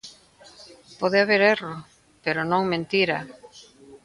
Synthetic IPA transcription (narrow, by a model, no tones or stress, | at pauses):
pɔðɪaβeɾero | peɾʊnõŋmẽnt̪iɾɐ̰